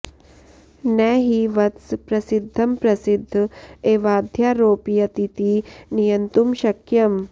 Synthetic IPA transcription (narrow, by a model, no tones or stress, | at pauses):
nɛːɦiʋɐt̪spɾɐsid̪ʱːɐmpɾɐsid̪ʱːeːʋaːd̪ʱjaːɾoːpijɐt̪it̪inijɐnt̪umʃɐkjɐm